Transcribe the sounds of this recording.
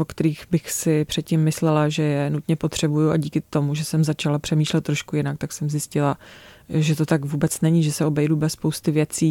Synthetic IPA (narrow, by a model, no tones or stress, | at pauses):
vokt̪ɛɾiːxbɪxsɪpr̝̥ɛt̪̚cimːɪslɛlaʒɛjɛnut̪ɲɛpo̞t̪r̝̥ɛbujuʔaɟiːkɪt̪o̞muʒɛsɛmzat͡ʃalapr̝̥ɛmiːʃlɛt̪ːɾoʃkujɪnakt̪aksɛmzjɪscɪlaʒɛt̪o̞t̪aɡvuːbɛt͡snɛɲiʒɛsɛo̞bɛjdubɛsːpo̞wst̪ɪvjɛt͡siː